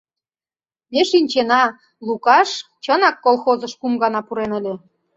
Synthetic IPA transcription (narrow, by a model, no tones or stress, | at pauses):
meʃinʲt͡ɕenɑ | lˠukɑʃ | t͡ɕənɑkːolˠxozə̆ʃkumɡɑnɑpuɾenə̆lʲe